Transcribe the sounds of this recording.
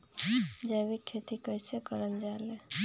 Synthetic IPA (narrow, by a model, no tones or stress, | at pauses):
d͡ʒəbikʰet̪ikəjsekəɾənd͡ʒale